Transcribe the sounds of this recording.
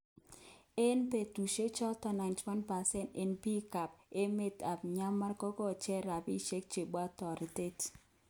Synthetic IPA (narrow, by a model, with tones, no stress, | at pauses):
e˦npe˨tu˨ʃe˦t͡ʃɔ˦tɔ˨na˨ntwa˦npa˨sɛ˦nte˨nbi˦ka˨pe˦me˦ta˨pɲa˦ma˦ɾkɔ˦kɔ˦˨t͡ʃɛ˦ɾa˨bi˦ʃe˦k̚t͡ʃe˨ɓa˦tɔ˨ɾi˨te˦t